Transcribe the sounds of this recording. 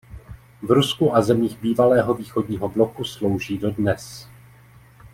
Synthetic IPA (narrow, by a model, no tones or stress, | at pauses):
vɾuskuʔazɛmiːɣbiːvalɛːɦo̞viːxodɲiːɦo̞blo̞kuslo̞wʒiːdo̞dnɛs